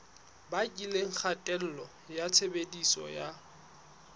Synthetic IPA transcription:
bakʼileŋ̩k͡xʰatʼɛl̩lɔ | jat͡sʰebedisɔ̰ja

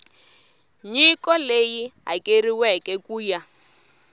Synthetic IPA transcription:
ɲikɔlejiɦa̰kʼeriwɛkɛkuːja

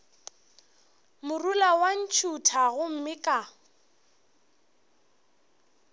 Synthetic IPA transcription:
mʊrulawan̩t͡ʃʰutʰaɣʊm̩mɪkʼa

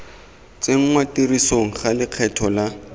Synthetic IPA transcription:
t͡seŋ̩ŋwatirisoŋ̩χalɪq͡χʰɛtʰɔla

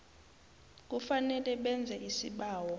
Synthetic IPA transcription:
k̬ʼufanɛlɛɓɛnd͡zʱɛʔisiɓaːwɔ

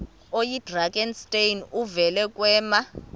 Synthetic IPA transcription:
ojid̥raɡɛnstʼejnuvɛlɛkʼwɛːma

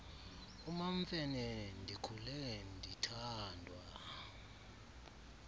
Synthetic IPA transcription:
umaɱfɛnɛndʱikʰulɛndʱitʰaːndʱwa

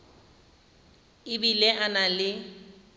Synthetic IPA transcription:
ɪbilɛʔanalɪ

